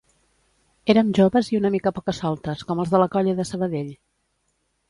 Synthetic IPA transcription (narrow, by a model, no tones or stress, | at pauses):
eɾəmʒoβəziunəmikəpɔkəsɔlˠt̪əskɔməlˠzðələkɔʎəðəsəβəðeʎ